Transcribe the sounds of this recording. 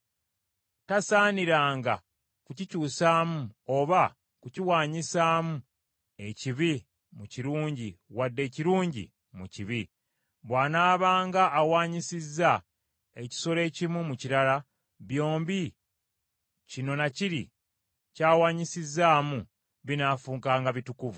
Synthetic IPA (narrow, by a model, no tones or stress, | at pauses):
tasaːniɾaːŋɡa̰ | kucicuːsaːmuoβa | kuciwaːɲisaːmu | e̞ciβi | muciɾuːɲɟiwadːe̞ːciɾuːɲɟḭ | mṵciβi | βwaːnaːβaːŋɡaʔːwaːɲisizːa | e̞ci̥so̞le̞ːcimwumuciɾala | βjo̞ːmbi | cino̞naciɾḭ | caːwaːɲisizːaːmu | βinaːfuːŋkaːŋɡaβitukuvu